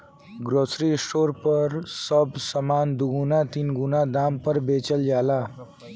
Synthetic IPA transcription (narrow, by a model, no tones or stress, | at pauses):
ɡɾosɾisʈoɾpʌɾsʌbʱsəmand̪uɡunat̪inɡunad̪ampʌɾbet͡ʃəld͡ʒala